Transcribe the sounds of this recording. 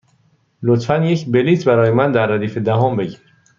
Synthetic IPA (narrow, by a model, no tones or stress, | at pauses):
lot̪fænjecʰbeliːt̪ʰbæɾɒːjemænd̪æɾːæd̪iːfe̞d̪æɦɔːmbe̞ɟiɾ